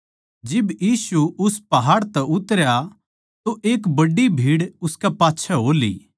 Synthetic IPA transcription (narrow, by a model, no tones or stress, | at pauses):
d͡ʒɪbjiːsuʊspɐɦaːɽt̪ɛʔʊt̪əɾja | t̪oʔeːkbɐɖːibʱiːɽʊskɛpaːtːʃʰɛɦoːlḭː